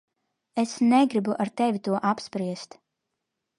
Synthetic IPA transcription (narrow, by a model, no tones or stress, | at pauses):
esnɛɡɾibuʔaɾt̪ɛvʲit̪uɔʔapspɾiɛst̪